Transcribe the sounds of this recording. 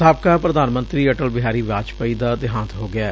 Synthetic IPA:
aːp̚kaːpɾəd̪aːnmə̃nt̪ɾiːəʈəlbɪɦaːɾiːʋaːt͡ʃpaiːd̪aːd̪ɪɦãːnt̪ɦoːɡɪaː

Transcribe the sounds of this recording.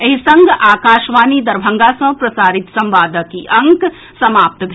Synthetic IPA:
ɐɦisɐ̃ŋɡʱaːkaːʃʋaːnid̪ɐɾbʱɐ̃ŋɡasɐ̃pɾɐsaːɾɪt̪sɐ̃mʋaːd̪əkiʔɐ̃ŋk | sɐmaːp̚t̪bʱ

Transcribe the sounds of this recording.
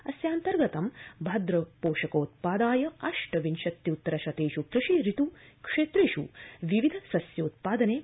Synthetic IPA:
ɐsjaːnt̪ɐɾɡɐt̪ɐmbʱɐd̪ɾɐpoːʂɐkoːt̪̚paːd̪aːjɐɐʂʈɐʋinʃɐt̪jiut̪ːɐɾɐʃɐt̪eːʃukɾɨʂiɾit̪ukʂeːt̪ɾeːʃuʋiʋid̪ʱɐsɐsjoːt̪̚paːd̪ɐneː

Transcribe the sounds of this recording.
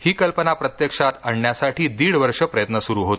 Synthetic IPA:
hiːkəlpənapɾət̪jəkʂat̪aɳːjasaʈʰiːd̪iːɽʋəɾʂəpɾəjət̪nəsuɾuːɦot̪

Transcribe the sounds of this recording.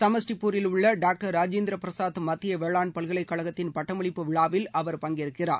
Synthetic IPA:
sɐmɐsʈipːuːɾɪlʊɭːɐɖaːk̚ʈɐɾːaːd͡ʒeːnd̪ɾɐpɾɐsaːðɯmɐt̪ːɪjɐʋɛɭaːnpɐɭɣɐɭɐɪkːɐɭɐɣɐt̪ːɪnpɐʈːɐmɐɭɪpːɯʋɪɭaːʋɪlʔɐʋɐɾpɐŋɡɪɾɯkːɪra̰ːɾ

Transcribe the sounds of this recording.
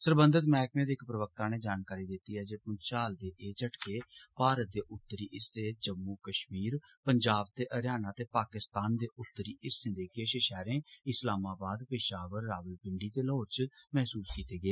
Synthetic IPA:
səɾbə̃nd̪ət̪mɛːkmẽːd̪eːɪkpɾəʋək̚t̪aːneːd͡ʒaːnkaːɾiːd̪ɪt̪ːiːɦɛːd͡ʒeːpʊnʃaːld̪eːʔeːt͡ʃəʈkeːpaːɾət̪̚d̪eːʔʊt̪ːəɾiːʔɪst̪eːd͡ʒəmːuːkəʃmiːɾpəɲd͡ʒaːb̚t̪eːʔəɾjaːnaːt̪eːpaːkɪst̪aːnd̪eːʔʊt̪ːəɾiːʔɪsɪ̃nd̪eːkeːʃɪʃɛːɾẽːɪslaːmaːbaːd̪pɪʃaːʋəɾːaːʋəlpɪ̃ɳɖiːt̪eːlɦoːɾt͡ʃmɛɦsuːskiːt̪eːɡəeː

